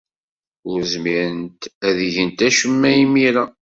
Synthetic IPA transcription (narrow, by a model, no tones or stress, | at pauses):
ʊɾzmiɾənt̪æðiʝənt̪æʃəmːæjimiɾæ